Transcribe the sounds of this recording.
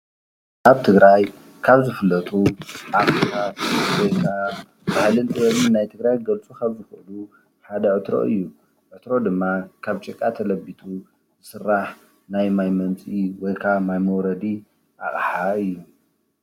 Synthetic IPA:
kaβt̪ʰɨɡɾaj | kʰaβzɨfɨlːɐt̪ʼuʔafɾikʰawojkʰa | bahlɨnt̪ʼɨwɐmɨnnːajt̪ʰɨɡɾajɡɐlt͡sʼukʰɐβzɨxʔlu | ħad̪ɐʕɨt̪ɾo̰ʔɨjːu | ʕɨt̪ɾo̞d̪ɨmːakʰaβt͡ʃʼɪkʼːat̪ʰɐlɐbit̪ʰu | zɨsɨrːaħ | najmajmɐnt͡sʼiwɔjkʰaβmajmɐwɾɐd̪i | ʔa̰χʼħaɨjːu

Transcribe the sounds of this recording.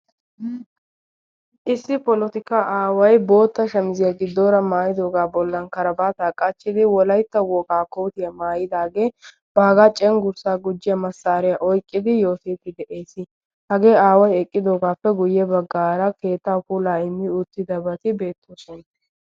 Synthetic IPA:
ʔɪsːɪpɔlɔt̪ɪkaːʔaːwɐjbo̞ːt̪ːɐʃɐmɪzɪjaɡɪd̪o̞ːɾɐmaːjɪd̪o̞ːɡaːbɔlːɐnkɐɾɐbaːt̪aːkʼːɐt͡ʃːɪd̪ɪwɔlɐjt̪ːɐwɔːkaːkoːt̪ɪjɐmaːjɪd̪aːɡe̞ː | b̥aːɡaːt͡ʃʼɛŋɡʊɾsaːɡʊd͡ʒːɪjɐmɐsːaːɾɪjɐʔɔjkʼːɪd̪ɪjo̞ːt̪eːt̪ːɪd̪ɛʔeːsɪ | hɐɡe̞ːaːwɐjɛkʼːɪd̪o̞ːɡaːpːɛɡʊjːɛbɐɡːaːɾɐke̞ːt̪ːaːkuːlaːɪmːɪʊt̪ːɪd̪ɐbɐt̪ɪbe̞ːt̪ʰːoːsɔn

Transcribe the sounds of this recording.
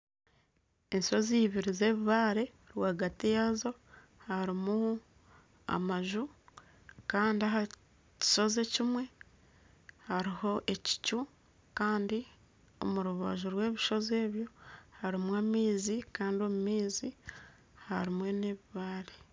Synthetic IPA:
e̞nso̞ziβiɾize̞ːβiβaːɾe̞ | ɾwaːɡatijazo̞ | haɾimu | a̰maʒu | kaːndiaɦa | ci̥ʃo̞zecimwe̞ | haɾiho̞ʔe̞ci̥cu | kaːndi | o̞muɾuβa̰ʒuɾwe̞ːβiʃo̞ze̞ːβjo̞haɾimwaːmiːzikaːndio̞mumiːzi | haɾimwe̞ne̞βiβaːɾe

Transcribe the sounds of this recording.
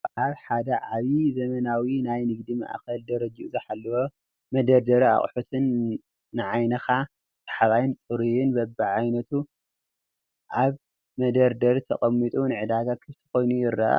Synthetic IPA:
ʔaβħad̪ɐʕaβizɐmɐnawinajnɨɡd̪ima̰ʔa̰kɐld̪ɐɾɐd͡ʒiʔuzɐħalːɐwo | mɐd̪ɐɾd̪ɐɾia̰χʼħut̪ʰɨnː | ɨʕajnɐxa | t̪ʰʼḁħaβajɪnt͡sʼɨɾijɪnbɐbːɨʕajnɐt̪ʰu | ʔaβ | mɐd̪ɐɾd̪ɐɾt̪ʰɐ̰χʼɐmːit̪ʼunɨʕɨd̪aɡakʰɨβt̪ʰɐ̥ko̞jnujɪɾːa̰ʔa̰

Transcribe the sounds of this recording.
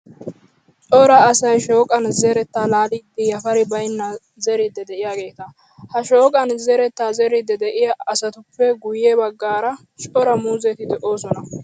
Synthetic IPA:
t͡ʃʼɔɾɐːsɐjʃo̞ːkʼɐnzɛɾɛt̪ːaːlaːliːd̪ːɪjɐfɐɾɪbɐjnːɐ | zɛɾɪd̪ːɛd̪ɛʔɪjaːɡe̞ːt̪ɐ | hɐʃo̞ːkʼɐnzɛɾɛt̪ːaːzɛɾɪd̪ɛd̪ɛʔɪjɐɐsɐt̪ʊpʰːɛɡʊjɛbɐɡːaːɾɐ | t͡ʃʼɔɾɐmuːzɛt̪ɪd̪ɛʔo̞ːsɔnɐ

